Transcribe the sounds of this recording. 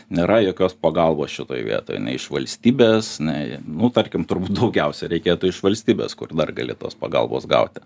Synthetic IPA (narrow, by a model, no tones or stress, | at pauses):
nʲeːɾɐjoːkʲoːspɐɡɐlˠboːsʃʲɪt̪oːjʋʲḭɛt̪o̰ːjnʲɛ̰ɪɪʃʋɐlʲsʲt̪ʲiːbʲeːsnʲɛɪnʊt̪ɐrʲkʲɪmt̪ʊrbuːt̪̚d̪ɐʊɡʲɛʊsʲɛɾʲɛɪkʲeːt̪ʊɪʃʋɐlʲsʲt̪ʲiːbʲḛːskʊrd̪ɐrɡɐlʲɪ̰t̪oːspɐɡɐ̰lˠbo̰ːsɡɐ̰ʊt̪ʲ